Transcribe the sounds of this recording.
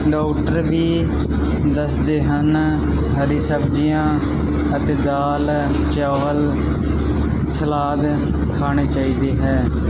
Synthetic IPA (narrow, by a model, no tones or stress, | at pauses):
ɖaːkʈəɾbiː | d̪əsd̪eːɦən | ɦəɾiːsəbd͡ʒijãː | ət̪eːd̪aːl | t͡ʃaːʋəl | səlaːd̪ | kʰaːɽ̃eːt͡ʃaːiːd̪eːɦɛː